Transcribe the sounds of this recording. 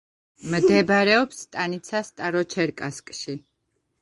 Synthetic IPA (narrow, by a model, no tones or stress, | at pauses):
md̪ɛbaɾɛɔpst̪ʼanit̪sʰast̪ʼaɾɔt͡ʃʰɛɾkʼaskʼʃi